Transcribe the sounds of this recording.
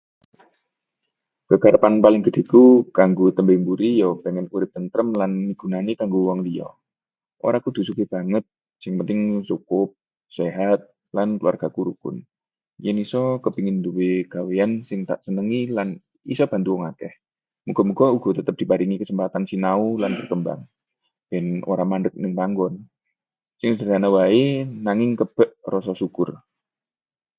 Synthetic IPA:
kəɡ̥aɾəpanpalɪŋɡəd̥̪i̤kukaŋɡot̪əmbembuɾijɔbeŋɛnkuɾɪp̚t̪ənt̪ɾəmlanːib̥ṳnanikaŋɡowɔŋliɔ̰ | ʔo̰ɾaŋkud̪̥ṳsukeb̥aŋət̪̚ | sɪŋpənt̪ɪŋt͡ʃukʊp̚ | seɦat̪̚ | lanklua̰rɡ̥akuɾukʊ̰n | jənisɔkəbiŋɪnd̪uweɡ̥aweansɪŋt̪a̰ʔsənəŋilan | isɔb̥a̤nt̪uɔŋakɛh | muɡ̥ɔmuɡ̥ɔuɡ̥ɔ̤t̪ət̪əp̚d̥i̤paɾiŋikəsəmpat̪ansinaulanbərkəmba̰ŋ | b̥ɛno̰ɾamandək̚nɪŋpaŋɡɔn | sɪŋsəɾanawaenaŋɪŋkəb̥ə̤ʔrɔsɔsukʊr

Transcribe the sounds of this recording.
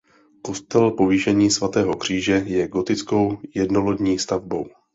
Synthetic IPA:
ko̞st̪ɛlpo̞viːʃɛɲiːsvat̪ɛːɦo̞kr̝̥iːʒɛjɛɡo̞t̪ɪt͡sko̞wjɛdno̞lodɲiːst̪avbo̞w

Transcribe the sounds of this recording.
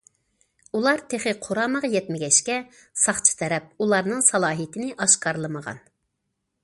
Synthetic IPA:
ulˠɑɾt̪ʰeχɨqʰoɾɑːməʁjɛt̪mɪɡʲɛʃkʲɛ | sɑχt͡ʃʰɨ̥t̪ʰɛɾɛp̚ulˠɑɾnɨŋsɑlˠɑːɦit̪ʰɪnɪʔɑʃqɑɾlˠɨməʁɑ̰n

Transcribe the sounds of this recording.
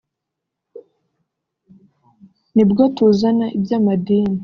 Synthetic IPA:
nibɡotuzanaʔibjamadiːni

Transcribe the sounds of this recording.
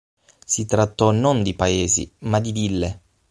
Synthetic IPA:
sit̪ɾat̪ːɔnond̪ipaeːzḭmad̪id̪ilːe

